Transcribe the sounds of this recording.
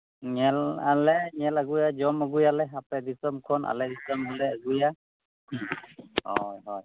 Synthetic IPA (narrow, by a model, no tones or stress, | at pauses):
ŋɛlalɛŋɛlaɡujazɔmaɡujalɛɦapɛdisɔmkʰɔna̰lɛdisɔmɦɔlɛaɡuja | hɔjɦɔj